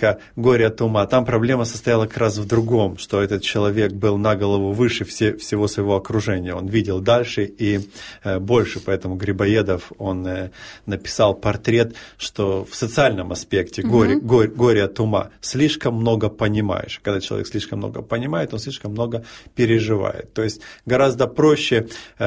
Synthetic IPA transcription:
ɡoɾʲət̪ʊmat̪ampɾɐblʲe̞məsə̥st̪ɐjalˠəkɐ̥kɾʔasvd̪ɾʊɡo̞mʂt̪o̞ɛt̪ət̪̚t͡ɕɪlˠɐvʲe̞k̚bɨlˠnɐɡəlˠɐvuvɨʂɨfsʲefsʲɪvo̞svəjɪvo̞ɐkɾʊʐɛnʲɪjəo̞nvʲidʲɪlˠd̪alʲʂɨi | bo̞lʲʂɨpɐɛt̪əmʊɡɾʲɪbɐed̪əfo̞nːəpʲɪ̥salˠpɐrt̪ɾʲe̞t̪ʂt̪ofsət̪sɨalʲnəmɐspʲektʲɪɡoɾʲɡoɡo̞ɾʲət̪ʊma̰sʲlʲiʂkəmːno̞ɡəpənʲɪma̰jɪ̰ʂkɐɡd̪at͡ɕɪlˠɐvʲḛkslʲiʂkəmno̰ɡə̰pənʲɪmajɪt̪o̞nsʲlʲiʂkəmːno̞ɡəpʲɪɾʲɪʐɨva̰jɪ̰t̪ːo̞jɪsʲtʲɡɐɾazd̪əpɾoɕːɪ

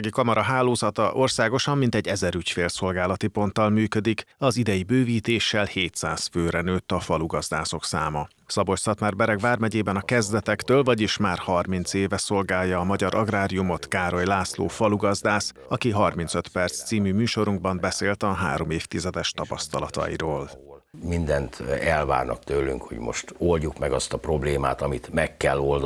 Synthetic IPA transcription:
ɡikɒmɒɾɒɦaːloːzɒt̪ɒ̰ʔo̞rsaːɡo̞ʃɒmːint̪ɛɟɛzɛɾycfeːlso̞lɡaːlɒt̪ipo̞nt̪ːɒlmyːkød̪ikɒzid̪ɛjibøːviːt̪eːʃːɛlheːt̪saːsføːɾɛnøːt̪ːɒfɒluɡɒzd̪a̰ːso̞ksa̰ːmɒ | sɒbo̞csɒt̪maːrbɛɾɛɡvaːrmɛɟeːbɛnɒkɛzd̪ɛt̪ɛkt̪øːlvɒɟiʃmaːrhɒrmint̪seːvɛso̞lɡaːjːɒːmɒɟɒɾʔɒɡraːɾijumo̞t̪kaːɾo̞jlaːslo̰ːfɒluɡɒzd̪aːs | ɒkiɦɒrminsøt̪pɛrt̪st̪siːmymyːʃo̞ɾuŋɡ̚bɒmbɛseːlt̪ɒɦa̰ːɾo̞meːft̪izɛd̪ɛʃt̪ɒpɒst̪ɒlɒt̪ɒ̰ḭɾoːlmind̪ɛnt̪ɛlva̰ːrnɒ̰k̚t̪øːlːy̰ŋkho̰ɟmo̰ʃt̪olɟukmɛɡɒst̪ɒpro̞bleːma̰ːt̪ɒmit̪mɛkːɛlːold̪

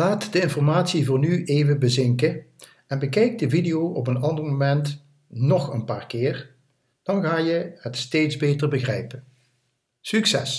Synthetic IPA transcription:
laːtdəɪnfɔɹmaːtsivʊːɹnyʔeːjvəbəzɪŋkə | ɛnbəkɛjk̚dəvidijowʔɔp̬ənɑndərmomɛnt | nɔχənpaːrkɪːr | d̥ɑnɣaːjəhətsteːtzbejtərbəɣrɛjpən | syksɛs

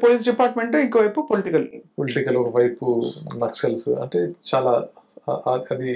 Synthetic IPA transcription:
poːliːs̬ɖipaːɾʈmeɳʈiŋkoʋɐjpupoliʈikɐlpoliʈikɐlɔkɐʋɐjpunɐksɐlsṵɐ̰ɳʈe̞ːt͡ʃaːlaː | ɐɐd̪i

